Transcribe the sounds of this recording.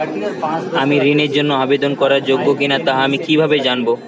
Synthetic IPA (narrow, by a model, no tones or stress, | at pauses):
amiɾineɾd͡ʑonːoabed̪onkɔɾaɾd͡ʑoɡːokinat̪aɦaamikibʱabed͡ʑanbo